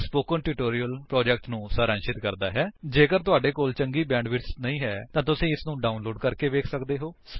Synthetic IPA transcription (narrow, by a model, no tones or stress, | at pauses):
spoːkə̃ɳʈuːʈoːɾijəlpɾɔːd͡ʒɛk̚ʈnũːsaːɾə̃ːnʃɪt̪kəɾd̪aːɦɛːd͡ʒeːkəɾt̪ʊaːɖeːkoːlt͡ʃəŋɡiːbɛ̃ːɳɖʋɪɾsnəĩːɦɛːt̪ãːt̪̬ʊsĩːɪsnũːɖaːunloːɖkəɾkeːʋeːkʰsəkd̪eːɦoːs